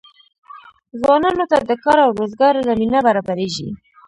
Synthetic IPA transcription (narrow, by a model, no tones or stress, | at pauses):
zwɑnɑnot̪ad̪əkɑɾawɾozɡɑɾlaminabaɾɑbaɾeʒḭ